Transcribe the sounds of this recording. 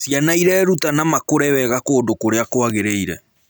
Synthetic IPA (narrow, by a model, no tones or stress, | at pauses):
sjanaiɾɛːɾutanamakoɾɛwɛɣakoːndokoɾeakoaɣeɾeiɾɛ